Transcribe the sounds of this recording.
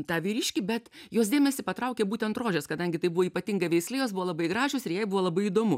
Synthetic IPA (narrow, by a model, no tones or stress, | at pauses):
t̪ɑːʋʲiːɾʲiːʃʲkʲibʲɛt̪joːs̬d̪ʲeːmʲɛsʲɪpɐt̪ɾɐʊkʲeːbuːt̪ʲɛnt̪roːʒʲɛskɐd̪ɐŋʲɡʲɪt̪ɐɪbʊʋoːiːpɐt̪ʲɪŋɡɐʋʲɛɪksʲlʲɪjoːsbʊʋolˠɐbɐɪɡɾɑːʒʲoːsɪɾjɛɪbuʋoːlˠɐbɐɪid̪oːmʊ